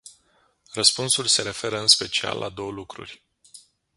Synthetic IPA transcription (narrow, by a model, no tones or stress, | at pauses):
rəspunsulʲse̞ɾe̞fe̞ɾəɨnspe̞t͡ʃia̰lːʔad̪o̞wəlukɾṵrʲ